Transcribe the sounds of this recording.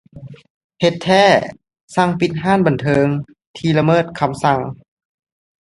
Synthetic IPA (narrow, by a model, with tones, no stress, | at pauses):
he˧t̪ʰːɛː˥˩ | sa˧ŋpi˧˥t̪̚ɦaː˥˨nba˨˩nt̪ʰɤː˧ŋ | t̪ʰiː˧la˧mɤː˥˩t̪̚kʰa˧msa˧˩ŋ